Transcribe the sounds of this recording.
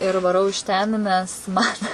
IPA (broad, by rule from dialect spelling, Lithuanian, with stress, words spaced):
ɪr ʋɐˈrɐʊ ɪʃ tʲɛn nʲɛs ˈmɐn